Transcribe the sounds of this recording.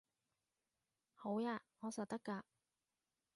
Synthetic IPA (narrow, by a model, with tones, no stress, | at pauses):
ho˨˥wjaː˧ŋɔː˨˧sɐ˨˩t̪ɐ˥kːaː˧